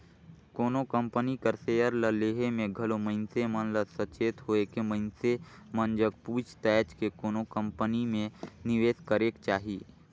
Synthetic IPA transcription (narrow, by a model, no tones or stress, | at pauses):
koːnokə̃mpənikəɾseːjəɾləleːɦemẽɡʱəloməɪnsemənləsət͡ʃeːt̪ɦoekeməɪnsemənd͡ʒəkpuːt͡ʃt̪ɛːt͡ʃkekoːnokə̃mpənimẽnɪʋeːskəɾeːkt͡ʃaːɦiː